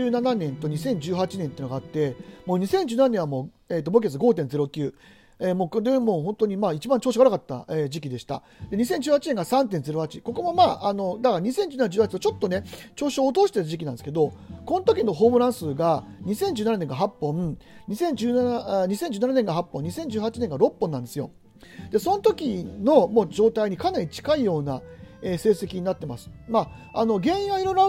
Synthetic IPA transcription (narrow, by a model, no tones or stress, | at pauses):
ɨːnananẽ̞nt̪o̞ɲ̟isẽ̞ɲ̟d͡ʑɨːɦat͡ɕinẽnt̪eiɯnoɡaːt̪ːe̞mo̞ːɲ̟isẽɲ̟d͡ʑɨːnananẽɰβamo̞ː | et̪obok̬ʲet͡s̬sɨɡo̞ːt̪̬ẽnd͡ze̞ɾo̞kʲɨː | emo̞ːkod̪emo̞ːɦõ̞nt̪o̞ɲ̟imaːit͡ɕibãɲt͡ɕo̞ːɕ̬ɡaɾakat̪ːa̰ed͡ʑikʲid̪e̞ɕi̥t̪a̰ | d̪e̞ɲ̟isẽ̞ɲ̟d͡ʑɨːhat͡ɕinẽ̞ŋɡasãnt̪̬ẽnd͡ze̞ɾo̞hat͡ɕiko̞ko̞mo̞maːʔano̞d̪akaɾaɲ̟isẽ̞ɲ̟d͡ʑɨːnanad͡ʑɨːhat͡ɕit̪ot͡ɕo̞t̪ːo̞net͡ɕo̞ːɕoːt̪oːɕi̥t̪et̪ad͡ʑikʲinãnd̪esɨ̥ked̪o̞ko̞not̪o̞kʲino̞ɦo̞ːmɯ̟ɾãɰ̃sɨːɡaɲ̟isẽɲ̟d͡ʑɨːnananẽ̞ŋɡaɦapːõ̞ɲ̟isẽ̞ɲ̟d͡ʑɨːnanaɲ̟isẽ̞ɲ̟d͡ʑɨːnananẽŋɡaɦapːõ̞ɲ̟isẽ̞ɲ̟d͡ʑɨːhat͡ɕineŋɡaɾo̞pːõ̞nːãnd̪e̞sɨjo̞̰ | d̪̥e̞so̞not̪o̞kʲino̞mo̞ːd͡ʑo̞ːt̪aiɲ̟ikanaɾʲit͡ɕi̥kaijo̞ːnae̞ːse̞ːse̞kʲiɲinat̪ːema̰sɨ̥ma | ano̞ɡẽ̞ɰ̃ĩɰ̃βaiɾo̞ɾo